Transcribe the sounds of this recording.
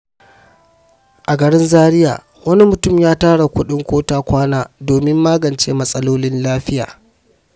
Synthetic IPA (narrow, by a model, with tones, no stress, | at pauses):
ʔa˨ɡɐ˨ɽɪ˦nzaː˦ɽɪ˦ja̰ː˨ | wɐ˦ni˦mʊ˨tʊ˦˨mjaː˦taː˦ɽa˨kʷʊ˦ɗɪ˦ŋkʷoː˦taː˦kʷaː˦naː˦doː˨mɪ˦mːaː˦ɡɐ˨nt͡ʃeː˦mɐ˦sʼɐ˦loː˦lɪ˦nlaː˦ɸɪ˦ja̰ː˨